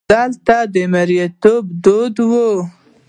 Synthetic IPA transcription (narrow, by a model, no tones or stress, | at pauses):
ɑlt̪ad̪əmaɾjat̪obd̪od̪wo